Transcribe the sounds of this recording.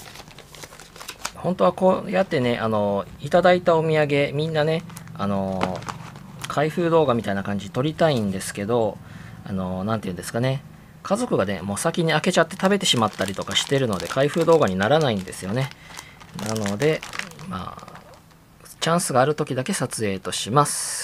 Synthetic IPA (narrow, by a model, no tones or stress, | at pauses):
hõ̞nt̪o̞ako̞ːjat̪ːe̞ne̞ʔano̞it̪ad̪ait̪aomʲiaɡe̞mʲĩnːane̞ano̞ | kʰaiɸɯ̟ːd̪o̞ːɡamʲit̪ainakãɲ̟d͡ʑiɲt̪o̞ɾʲit̪aĩnd̪e̞sɨ̥ke̞d̪o̞ | a̰no̞nãnt̪eɯ̟nd̪sɨ̥kane̞ | kʰazo̞kɯ̟ɡane̞mo̞ːsakʲiɲ̟iake̞t͡ɕat̪ːe̞t̪abe̞t̪e̞ɕimat̪ːaɾʲit̪o̞kaɕi̥t̪e̞ɾɯ̟no̞d̪e̞̰kʰaiɸɯ̟ːd̪o̞ːɡaɲ̟inaɾanaĩnd̪e̞sɨjo̞nenano̞d̪e̞ma̰ː | t͡ɕãɰ̃sɨɡaːɾɯ̟t̪okʲid̪ake̞sat͡sɨe̞ːt̪o̞ɕimasɨ̥